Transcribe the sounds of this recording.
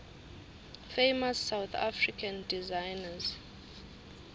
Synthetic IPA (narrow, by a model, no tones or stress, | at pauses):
fejmasːawt̪ʰa̰frikʰãndizajnaz